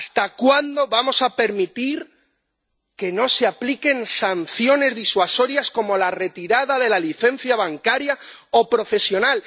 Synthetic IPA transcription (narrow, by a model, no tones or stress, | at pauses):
st̪akwand̪o̞βamo̞sape̞ɾmit̪iɾ | ke̞no̞seaplike̞nsanθjo̞ne̞zðiswaso̞ɾjasko̞mo̞lare̞t̪iɾaðaðe̞laliθe̞n̟θjaβaŋkaɾjao̞pɾo̞fe̞sjo̞nal